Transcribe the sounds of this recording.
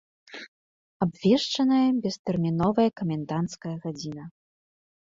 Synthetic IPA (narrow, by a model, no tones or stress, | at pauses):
abvʲɛʂt͡ʂɐnɐjɐbʲɛst̪ɛrmʲinɔvɐjɐkɐmʲɛnd̪ant̪skɐjɐɣad͡zʲinɐ